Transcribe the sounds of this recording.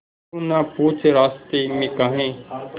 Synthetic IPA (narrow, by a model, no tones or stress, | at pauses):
ũnãːpuːt͡ʃʰɾaːst̪iːmẽːkaːɦẽːt̪